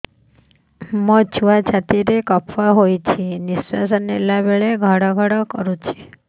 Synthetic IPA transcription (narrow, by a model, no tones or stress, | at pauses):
mət͡ʃʰuʋat͡ʃʰat̪iɾekɔpʰʋaɦojt͡ʃʰenisːasənelabeɭeɡʱaɽɔɡʱaɽɔkəɾũt͡ʃʰe̥